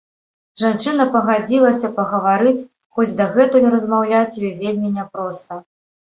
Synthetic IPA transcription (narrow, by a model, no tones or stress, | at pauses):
ʐant͡ʂɨnɐpɐɣad͡zʲilˠɐsʲɐpɐɣɐvaɾɨt͡sʲ | xɔd͡zʲd̪ɐɣɛt̪ujuɾɐzmawlʲat͡sʲjɔvʲelʲmʲinʲɛpɾɔst̪ɐ